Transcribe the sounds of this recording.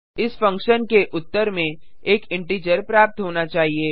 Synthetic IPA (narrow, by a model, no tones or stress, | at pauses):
ɪsfɐ̃ŋkʃənkeʔʊt̪ːəɾmẽ | eːkɪ̃ɳʈiːd͡ʒəɾpɾaːp̚t̪ɦoːnat͡ʃaːɦieː